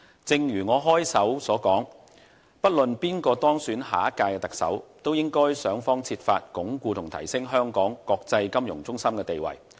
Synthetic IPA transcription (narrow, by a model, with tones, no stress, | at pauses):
t͡sɪ˨˧ŋjyː˨˩ŋɔː˨˧ɦɔː˥jsɐ˨˥wsɔː˨˥kɔː˨˥ŋ | pɐ˥t̚lɵ˨npiː˥nkɔː˧t̪ɔː˥ŋsyː˨˥nɦa̰ː˨˥ɐ˥kaː˧jkɛ˧t̪ɐ˨˩k̚sɐ̰˨˥wt̪o˥wjɪ˥ŋkɔː˥jsœː˨˥ŋfɔː˥ŋt͡sʰiː˧t̚fa̰ː˧t̚kʊ˨˥ŋkʷuː˧t̪ʰʊ˨˩ŋt̪ʰɐ̰˨˩jsɪ˥ŋɦœː˥ŋkɔː˨˥ŋkɔː˧k̚t͡sɐ˧jkɐ˥mjʊ˨˩ŋt͡sʊ˥ŋsɐ˥mkɛː˧t̪e˨jwɐ̰˨˩j